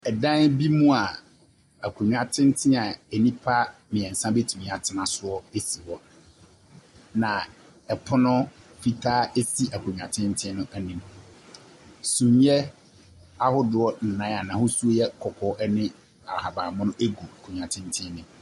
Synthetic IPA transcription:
ɛ˨dã˦n˦bi˦mũ˦a˨ | æ˨kʰũ˨ɲᶣ˨ã˨tʰɪ̃˦n˦tʰɪ̃˦a˨e˨nĩ˦pʰa˦mɪ̃˨ɛ̃˨n̩˨sã˦be˦tʰu˨mĩ˨˦˨a˨tʰɪ˨nã˨sʊ˦ɔ˦e˦si˨wɔ˦ | nã˨ | ɛ˨pʰʊ˦nʊ̃˦fi˦tʰaː˦e˦si˦a˨kʰũ˨ɲᶣ˨ã˨tʰɪ̃˦n˦tʰɪ̃˦nʊ̃˦æ˨nĩ˨m | sũ˨ɲ˦ɛ˦ | a˦hʊ˦dʊ˦ɔ˦n̩˨nã˨˦a˨nã˨hʊ˦su˦o˦jɛ˦kʰɔ˨kʰɔ˨˦ʔɛ˦nɪ̃˦ | a̰˨ha˨baː˨mʊ̃˦nʊ̃˦e˦ɡu˨a˨kʰũ˨ɲᶣ˨ã˨tʰɪ̃˦n˦tʰɪ̃˦nɪ̃˨

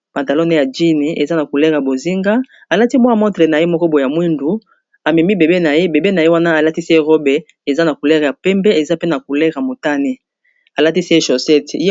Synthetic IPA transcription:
pa˨nta˨lo˦ne˦ja˨d͡ʒi˦ni˨ʔe˨za˦na˨ku˨lɛ˦ʁja˨bo˨zi˦ŋɡa˦ | a˨la˦ti˦bo˦a˦˨mɔ̃˦tʁe˨na˨je˦mɔ˦kɔ˦bo˨ja˨mwi˦ndu˨ | a˨mi˨mi˦be˨be˦na˨je˦be˨be˦na˨je˦wa˦na˦a˨la˦ti˦se˦ʁo˦be˨ | e˨za˦na˨ku˨lɛ˦ʁja˨pɛ˦mbɛ˦e˨za˦pe˦na˨ku˨lɛ˦ʁa˨mo˨ta˦ne˦ | a˨la˦ti˦se˦ʃo˨sɛ˦t

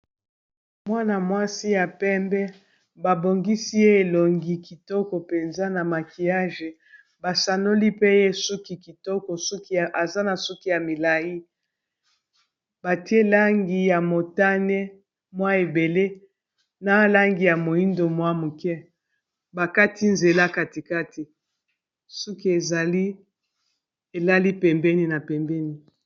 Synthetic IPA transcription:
mwa˦na˨mwa˦si˦ja˨pɛ˦mbɛ˦ | ba˨bo˨ŋɡi˦si˦je˦e˨lo˨ŋɡi˦ki˨tɔ˦kɔ˨pe˨nza˦na˨ma˨ki˨ja˦ʒe˨ | ba˨sa˨no˦li˦pe˦je˦su˦ki˨ki˨tɔ˦kɔ˨su˦ki˦˨ʔa˨za˦na˨su˦ki˦ja˨mi˨la˨ji˦ | ba˨ti˦e˦la˦ŋɡi˨ja˨mo˨ta˦nɛ˦ | mwa˦e˨be˨le˦ | na˦la˦ŋɡi˨ja˨mo˨ji˦ndo˨mwa˦mu˨kɛ˦ | ba˨ka˦ti˦nze˨la˦ka˦ti˨ka˦ti˨ | su˦ki˦e˨za˨li˦ | e˨la˦li˦pɛ˨mbɛ˦ni˦na˨pɛ˨mbɛ˦ni˨

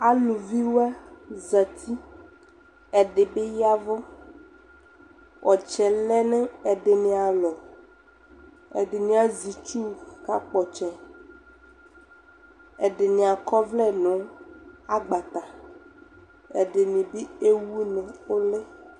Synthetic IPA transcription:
a˦lo˨vi˦wa˦za˨t̪ʰi˦ | ɛ˨ɖe˨be˦ja˦vɔ˦ | wʔɔ˨t͡ʃɛ˨lɛ˦nɛ̃˦ɛ˨ɖe˨nĩ˨a˨lɔ˨ | ɛ̰˨ɖe˨nĩ˦a˦zi˨t͡ʃu˦ka˦k͡pɔ˨t͡ʃɛ˨ | ɛ˨ɖe˨nĩ˨a˨kɔ˦vlɛ˦nɔ̃˨˦a˦ɡ͡ba˨t̪a˨ | e˨ɖe˨nĩ˨bi˦e˦wu˦nɛ̃˨o˦lɛ˦

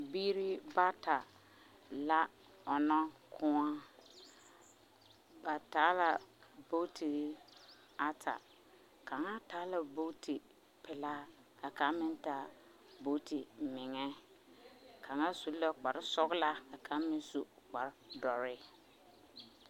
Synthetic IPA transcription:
biː˦ɾi˦ba˦ta˨ | la˦ | ɔ˨nɔ˦kʰʊ˦a˦ | ba˨taː˨˦la˨bo˦ti˨˦ | a˦tʰa̰˨ | ka˨ŋa˦taː˨˦la˨bo˦tʰi˨ | pɪ˨la˦ | ka˨ka˨˦mɪ˦nta˨˦ | bo˦tʰi˨mɪ˨ŋɛ˦ | kʰa˨ŋa˦su˨˦la˦k͡pa˨ɾsɔ˦ɣla˦ka˨kʰa˨˦mɪ˦su˨k͡pa˨ɾdɔ˨ɾɪ˦

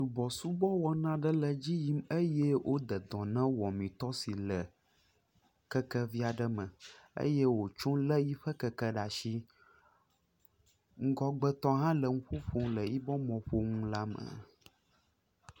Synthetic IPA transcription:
t̪u˨bɔ˨su˦bɔ˦wɔ˦nã˦ɖə˦lə˨d͡ʑi˦ji˦mə˦jɛ˦wʔo˦d̪ə˨d̪ɔ̃˨nã˦wɔ˨mĩ˨t̪ɔ˦si˨lə˨ | kə˦kə˦vi˦a˨ɖə˦mə̃˨ḛ˦jɛ˦wo˨t͡ʃõ˦lə˦ji˦ɸə˦kə˦kə˦ɖa˨ʃi˦ | ŋ̩˦ɡɔ˦ɡ͡bə˦t̪ɔ˦ɦã˦lə˨ŋũ˦ɸo˦ɸo˦lə˨ji˦bɔ˦mɔ̃˨ɸo˦ŋũ˦la˦mə̰̃˨

